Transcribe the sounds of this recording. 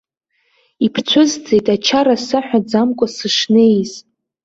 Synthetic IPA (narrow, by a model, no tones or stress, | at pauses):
ipʰt͡ɕʷʰʊzd͡ze̞jtʼat͡ʃʰarasɨħʷᶣad͡zamkʷʼʊsɨʂne̞jz